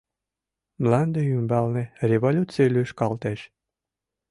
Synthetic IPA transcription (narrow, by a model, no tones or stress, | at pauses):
mlɑnd̪eymbɑlnĕrʲevolʲut͡silʲyʃkɑlt̪eʃ